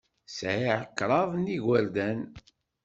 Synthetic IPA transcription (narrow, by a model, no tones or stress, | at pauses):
sʕiʕəkːɾˤɑðˤniʝæɾd̪æn